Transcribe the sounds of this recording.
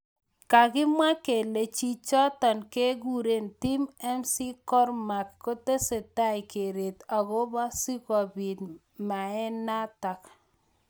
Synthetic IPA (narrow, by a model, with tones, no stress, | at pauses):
ka˨ɡɪ˦mwa˦ke˨le˨t͡ʃi˦t͡ʃɔ˦tɔ˨nke˦ɡu˦ɾe˦nti˦mɛ˦msi˦kɔ˦rma˨kːo˦te˦se˨ta˦jke˨ɾe˨ta˨ɡo˦ba˦si˦kɔ˨bi˨t | ma˨ɛ˦na˦ta˨k